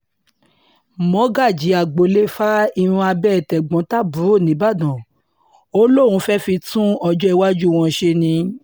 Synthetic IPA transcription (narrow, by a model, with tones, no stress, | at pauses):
mɔ̃˨˦ɡa˦˨d͡ʒi˨˦a˨ɡ͡bo˨le˦fa˦i˧ɾ̃ũ˧a˧bɛ˦˨tɛ˨ɡ͡bɔ̃˨˦ta˦˨bũ˨˦ɾo˦˨nĩ˨˦ba˦˨dɔ̃˨ | o˦lõ˦˨ũ˧fɛ˦fi˧tũ˦ɔ˧d͡ʒɔ˦i˧wa˦d͡ʒu˦˨w̃ɔ̃˧ʃe˧nĩ˧